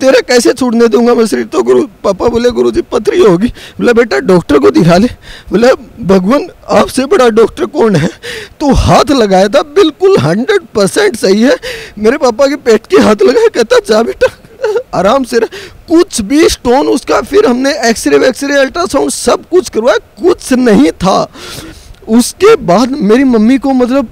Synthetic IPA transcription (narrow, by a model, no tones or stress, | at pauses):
t̪eːɾakɛːset͡ʃʰʊɽned̪ũːŋɡamɐsɾit̪oɡʊɾupaːpaboːleɡʊɾud͡ʒipɐt̪ɾiɦoːɡiːmɐləbeːʈaɖɔːkʈəɾkod̪ɪkʰaːlebɐlebbʱɐɡʋənaːpsebɐɽaɖɔːkʈəɾkɔːnɦɛːt̪ohaːt̪ʰlɐɡaːjat̪ʰabɪlkʊlɦɐ̃ɳɖɾeɖ̚pɐɾsɛ̃ɳʈsɐɦiɦɛːmeːɾepaːpakepeːʈkeɦaːt̪ʰlɐɡaːekɛɦt̪aɦɛt͡ʃaːbeːʈa | aːɾaːmseɾɐkʊt͡ʃʰbʱisʈoːnʊskafʰɪɾɦɐmneɛːksəɾiʋɛːksiɾiɛlʈəɾsãʊ̃ɳsɐb̚kʊt͡ʃʰkɐɾʋajekʊt͡ʃʰnɐɦĩt̪ʰaː | ʊskebaːd̪meːɾimɐmːikomɐt̪̬ləb̚